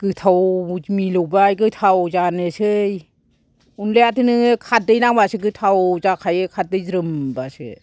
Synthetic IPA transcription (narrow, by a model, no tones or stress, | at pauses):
ɡ̥ɯtʰawmilobajɡɯtʰawzanɯsɯj | unleatʰɯnɯɯkʰat̚dɯjnaŋmasɯɡɯtʰawzakʰajɯkʰat̚dɯjzɾɯmbasɯ̰